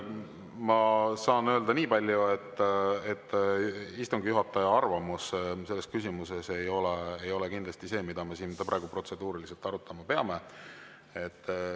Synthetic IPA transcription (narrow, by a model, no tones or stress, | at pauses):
mɑsɑːnø̞ːld̪̥ɑniːpɑlʲjuet̪ːet̪ːist̪uŋɡjuɦɑt̪ːˑɑjɑɑrvɑmusse̞lːe̞skysʲimuse̞se̞jo̞leejo̞lekind̪lɑsʲt̪ise̞ːmid̪̥ɑme̞siːnprɑ̰eɡ̥upro̞t̪se̞d̪̥uːɾilise̞lt̪ɑɾut̪ːˑɑmɑpe̞ɑme̞ | et̪ː